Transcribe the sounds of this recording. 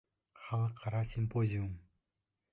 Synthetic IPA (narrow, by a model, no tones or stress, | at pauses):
χɑlˠəqʰːɑɾasʲimpozʲium